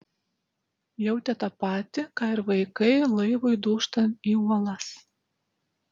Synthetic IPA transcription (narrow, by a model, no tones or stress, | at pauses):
jɛʊt̪ʲɛt̪ɐpɑːt̪ʲɪkɑːɪɾʋɐɪkɐɪlˠɐɪʋoɪd̪uːʃt̪ɐniːuɔlˠɐs